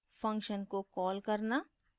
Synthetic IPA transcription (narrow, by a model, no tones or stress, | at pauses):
fɐ̃ŋkʃənkokɔːlkɐɾna